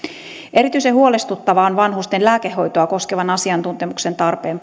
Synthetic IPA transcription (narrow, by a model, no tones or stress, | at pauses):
e̞ɾit̪yisehuo̞lest̪ut̪ːɑʋɑonʋɑnɦust̪enlæːkehːo̞jt̪oɑko̞skeʋɑnɑsiɑnt̪unt̪e̞mukse̞nt̪ɑrpeːm